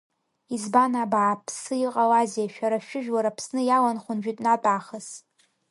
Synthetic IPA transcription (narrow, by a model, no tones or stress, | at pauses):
izbanabaːpʰsɨiqʼalaziaʃᶣaɾaʃᶣʊʒᶣwaɾapʰsnɨjalanχʷʊnʒᶣitʼnatʼaχəs